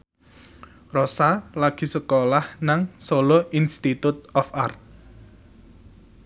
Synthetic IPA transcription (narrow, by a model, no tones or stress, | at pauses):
rɔsalaɡ̥i̤səkolahnaŋsoloinst̪it̪ut̪̚ɔfart̪̚